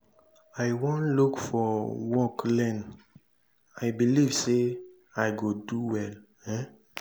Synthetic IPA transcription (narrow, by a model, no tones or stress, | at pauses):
ajwõnlukfɔwɔklɛ̃n | aɪbilivse | aɪɡoduwɛl | ɛ̃